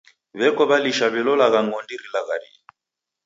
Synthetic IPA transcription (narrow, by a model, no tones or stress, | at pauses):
βɛkɔβaliʃaβɛlɔlaɣaŋɡɔndiɾilaɣaɾḭ